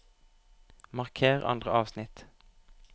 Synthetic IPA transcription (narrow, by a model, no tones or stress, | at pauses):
mɑʁkʰeːʁɑ̰nd̪ʁəɑːʋsnɪt̪